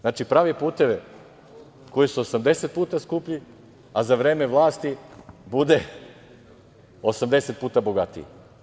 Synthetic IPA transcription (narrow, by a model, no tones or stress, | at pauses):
znaːt͡ʃipɾaːʋepuːt̪e̞ʋe | ko̞jisuosamd̪e̞set̪̚puːt̪askuːpʎi | azaʋɾe̞ːme̞ʋlˠaːst̪ibud̪e̞ | osamd̪e̞se̞t̪̚puːt̪aboɡat̪ḭ